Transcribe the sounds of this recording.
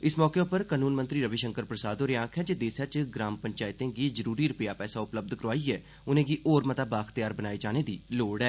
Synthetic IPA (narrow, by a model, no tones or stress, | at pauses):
ɪsmɔːkeːʊpəɾkaːnuːnmənt̪ɾiːɾəʋiʃəŋkəɾpɾəsaːd̪oːɾjãːkʰɛːd͡ʒeːd̪eːsaːt͡ʃɡɾaːmpəɲt͡ʃaːɪt̪ẽːɡiːzəɾuːɾiːɾʊpjaːpɛːsaːʊpləb̚d̪kəɾaːiːɛː | ʊnẽːɡiːʔoːɾmət̪aːbaːxt̪jaːɾbənaːid͡ʒaːneːd̪iːloːɽɛː